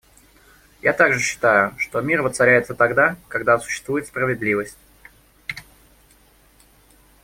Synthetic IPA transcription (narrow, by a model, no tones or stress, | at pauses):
jat̪aɡʐɨɕːɪ̥t̪ajʊʂt̪o̞mʲirvət̪sɐɾʲæjɪt̪sət̪ɐɡd̪akɐɡd̪asʊ̥ɕːɪ̥st̪vujɪt̪spɾəvʲɪd̪lʲivəsʲtʲ